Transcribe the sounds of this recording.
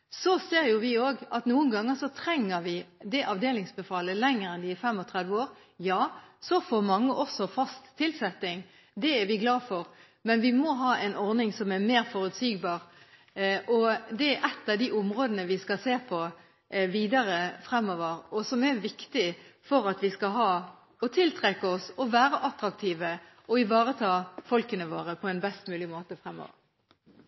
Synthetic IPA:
sɔseːɾjʊʋɪoːɡɑt̪nuːənɡɑŋːəsɔt̪ʰɾɛŋːəɾʋɪd̪ɛʔɑʋd̪eːlɪŋsbəfɑːləlɛŋːəɾɛnd̪ɪfɛmːɔt̪ʰʁɛd̪ʋəoːɾ | jɑːsɔfoːɾmɑŋːəʔɔsɔfɑst̪ʰːɪlsɛt̪ːɪŋ | d̪ɛæɾʋɪɡlɑːfɔɾ | mɛnʋɪmɔɦɑːʔɛɪnɔɾnɪŋsɔmɛmeːɾfɔɾʉt̪syːɡbɑːʁ | ʔɔd̪ɛæɾʔɛt̪ːɑʋd̪iːʊmʁoːd̪ənəʋɪskɑseːpʰɔ | ʋiːd̪ɑɾəfɾɛmːɔːʋəɾɔsɔmɛɾʋɪkt̪ɪfɔɾɑt̪ʋɪskɑɦɑː | ɔt̪ʰɪlt̪ʰʁɛkːəɔsɔʋæːɾəʔɑt̪ɾɑk̚t̪ʰiːʋə | ɔɪʋɑːɾət̪ʰɑːfɔlkənəʋoːʁəpʰɔɛnbɛst̪mʉːlɪmoːt̪əfʁɛmːɔ̰ːʋə̰ɾ

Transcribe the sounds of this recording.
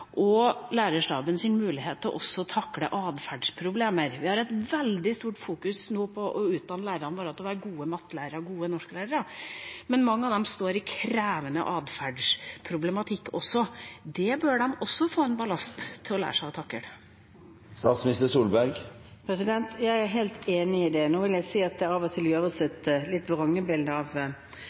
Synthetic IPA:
ʔɔlæːɾəʂʈɑːbənsɪnmʉːlɪɦeːt̪ʰːlɔʔɔsːɔt̪ʰɑkːlə̰ʔɑːd̪fæɖʂpʰɾʊbleːməɾʋɪhɑɾɛt̪ʋɛld̪ɪst̪uːʈfuːkʉsnoːpʰɔʔɔʉːt̪̚d̪ɑnːəlæɪɾəɾɑnbɑːɾɑt̪ɔʋæːɾəɡuːəmɑt̪ːlæɪɾəɾɡuːənɔʂkəlæɪɾəɾəmɛnmɑŋːəɑːʋd̪ɛmst̪oːɾɪkʰɾæːʋənə̰ʔɑːd̪fæɖʂpʰɾʊblɛmɑt̪ʰɪkːɔsːɔd̪ɛbøɖɛmɔsːɔfoːɛnbɑlɑst̪ʰːɪlɔlæ̰ːʂæɑt̪ʰɑkːə̰ɽ | st̪ɑːt̪smɪst̪əsuːlbæɾɡ | pʰɾɛsɪd̪ɛnt̪jæɪæɾɦeːlt̪eːnɪɪd̪ɛnuːʋɪljæɪsiːɑt̪̚d̪ɛɾɑʋɔt̪ʰɪlɑːʋəsɛt̪lɪt̪ːʋɑɾɑŋːəbɪld̪əɑʋ

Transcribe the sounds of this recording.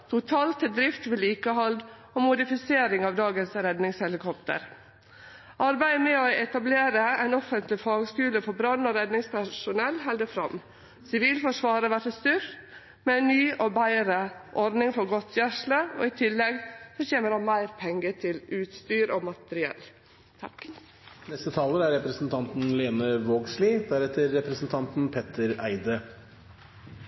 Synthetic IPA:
t̪ʰʊt̪ʰɑːlt̪əd̪ɾɪft̪ʋɛliːkəhɑld̪ | ɔmʊd̪ɪfɪseːɾɪŋɑʋd̪ɑːɡənsɾɛd̪nɪŋshɛlɪkʰɔpt̪ə̰ɾ | ʔɑɾbæɪəmɛoɛt̪ɑbleːɾəæɪnɔfənt̪lɪfɑːɡskʉːləfɔɾbɾɑnːɔɾɛd̪nɪŋspʰæʂʊnɛlːɦɛld̪əfɾɑ̰m | sɪʋiːlfɔʂʋɑːɾəʋæɾtəst̪ʏɾ | mɛɛnnːyːʔɔbæɪɾəʔɔɾd̪nɪŋfɔɾɡɔt̪ːjæʂləɔ̰ːɪt̪ʰɪlːɛɡsɔçeːməɾhɑnmæɪɾpʰɛŋɡət̪ʰɪlʉːt̪st̪yːɾɔmɑt̪əɾɪɛ̰lː | t̪ʰɑ̰k | nɛst̪ət̪ʰɑːləæɾɛpɾəsn̩t̪ʰɑnt̪n̩leːnəʋoːɡsliːd̪æɾɛt̪ːəɾːɛpɾəsn̩t̪ʰɑnt̪npʰɛt̪əɾæɪd̪ə

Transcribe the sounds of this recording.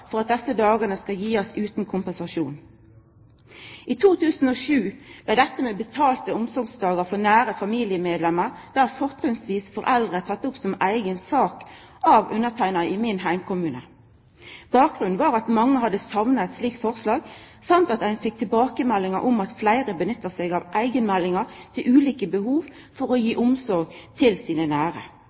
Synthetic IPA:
fɔʁɑt̪̚d̪ɛsəd̪ɑːɡənəskɑljiːɔsʉːt̪n̩kʰʊmpənsɑʃuːn | iːt̪ʰuːt̪ʰʉːsn̩ɔːʃʉːb̥læɪd̪ɛt̪ːəmeːbət̪ʰɑːlt̪əʊmsɔŋsd̪ɑːɡəʁfɔnæːɾəfɑmiːlɪəmeːd̪lɛmːəʁ | d̪̥æːʁfɔʁt̪ʰʁɪŋsʋiːsfɔʁʔɛld̪ʁət̪ʰɑt̪ːʊpsɔmæɪɡənsɑːk | ɑʋʉnːət̪ʰæɪnɑəʔɪmɪnɦæɪmkʊmʉːnə | b̥ɑːk̚ɡʁʉnn̩ʋɑːʁɑt̪mɑŋːəɦɑd̪ːəsɑʋnəɛt̪sliːkt̪fɔʁslɑːɡ | sɑmt̪ɑt̪æɪnfɪk̚t̪ʰɪlbɑːkəmɛlːɪŋə̰ʁʔɔmɑt̪flæɪʁəbənʏt̪ːəʁsɛɡɑʋʔæɪɡənmɛlːɪŋəʁt̪ʰɪlʔʉːliːkəbəhuːʋ | fɔʁɔjiːʔʊmsɔʁɡt̪ʰɪlsiːnənæːʁə

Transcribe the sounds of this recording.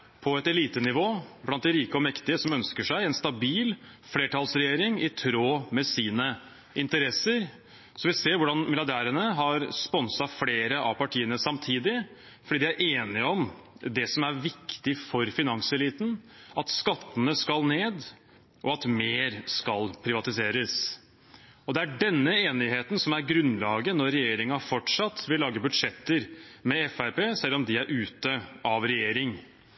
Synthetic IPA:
pʰɔɛt̪ɛliːt̪ənɪʋoːblɑnt̪̚d̪ɛɾiːkəɔmɛkt̪ɪəsɔmœnskəʂæɪɛnst̪ɑbiːl | fleːʈʰɑːlsɾɛjeːɾɪŋɪt̪ʰɾoːmɛsiːnə | ɪnt̪əɾɛsəɾ | sɔʋɪlseːɾʋʊɖɑnmɪljɑɖæːɾənəɦɑɾspɔnsɑfleːɾəʔɑ̰pɑʈʰiːənəsɑmt̪ʰiːd̪ɪ | fɔɖiːd̪ɛæɾʔeːnɪɔmd̪ɛsɔmæɾʋɪkt̪ɪfɔɾfɪnɑŋsɛliːt̪nɑt̪skɑt̪ːənəskɑlneːd̪ | ʔɔɑt̪meːɾskɑlpʰɾɪʋɑt̪ɪseːɾəs | ɔd̪ɛæɖɛnːəeːnɪɦeːt̪ənsɔmæɾɡɾʉnːlɑːɡənɔɾːɛjeːɾɪŋɑfɔʈʂɑt̪ːʋɪlːɑːɡəbʉd̪ʂɛt̪ːəɾmɛɛfæɾpeːsɛlːɔmd̪ɪæɾʔʉːt̪əʔɑʋɾɛjeːɾɪŋ

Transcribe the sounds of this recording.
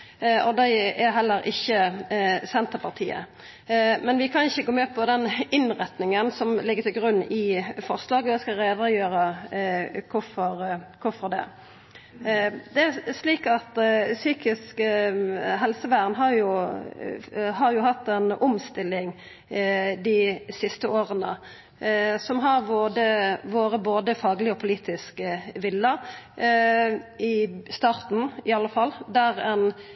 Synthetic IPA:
ɔd̪æɪæɦɛlːəɾʔɪçːəsɛnt̪əpʰɑʁt̪ʰḭːə̰ | mɛnʋɪkʰɑnɪçːəɡoːmeːpʰɔd̪ɛnɪnɾɛt̪nɪŋənsɔmlɪɡːəɾt̪ʰɪlɡɾʉnːɪfɔʁslɑːɡəd̪ɛskɑɾeːd̪əjøːɾə | kʰʊɾfɔɾkʰʊfɔɾd̪ɛ̰ | d̪ɛæʂliːkɑt̪syːkɪsk | ɦɛlsəʋæːʁnɦɑɾjʊ | hɑɾjʊhɑt̪ːɛnʊmst̪ɪlːɪŋ | d̪ɪsɪst̪əʔoːʁənə̰ | sɔmɦɑɾʋoːd̪əʋoːɾəboːd̪əfɑːɡlɪɔpʰʊliːt̪ʰɪskʋɪlːə | ɪst̪ɑːɾt̪n̩ɪɑlːəfɑlːd̪æʁɛn

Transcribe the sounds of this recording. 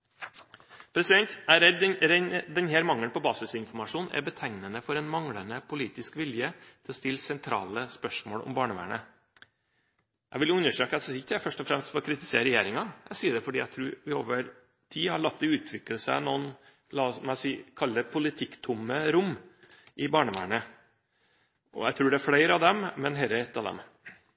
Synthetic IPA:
pʰɾɛsɪd̪ɛnt̪æɾɛd̪ɾɛd̪ɛnheːɾmɑŋːənpʰɔbɑːsɪsɪnfɔɾmɑʂuːnʔæ̰ɾbət̪ʰæŋnənəfɔɾɛnmɑŋɽənəpʰʊliːt̪ɪskʋɪljət̪ʰɪlɔst̪ɪlːsɛnt̪ʰɾɑ̰ːləspœʂmoːɽɔ̰mbɑːɳəʋæ̰ːɳə̰ | jʔæɪɡʋɪljʊʉnːəʂøːkəɑt̪d̪sɪkəʈæfœʂʈɔfɾɛmst̪fɔɾɔkʰɾɪt̪ɪseːəɾɛjeːɾɪŋɑæsiːəɖ̪ɛfɔɖiːæɪt̪ʰɾʉːɾʋɪoːʋəɾ | t̪ʰiːhɑɭɑt̪̚ːɪʉːt̪ʰʋɪkləsənuːn | lɑɔsɔmæsiːkʰɑlːəpʰʊlɪt̪ʰɪkt̪ʰʊməɾʊmː | ʔɪbɑːɳəʋæ̰ːɳə | ʔɔ̰æt̪ʰɾʉːɖɛæɾfɽæɪɾɑʋd̪ɛmmɛnɦɛːɾəɛt̪ːɑʋd̪ɛ̰m

